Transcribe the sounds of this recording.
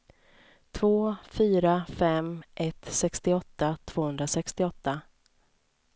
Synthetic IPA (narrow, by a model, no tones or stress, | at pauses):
t̪ʰvoːfyːɾafɛmʔɛt̪sɛkst̪ɪɔt̪ːat̪ʰv̥oːhɵnd̪ɾasɛkst̪ɪɔt̪ːa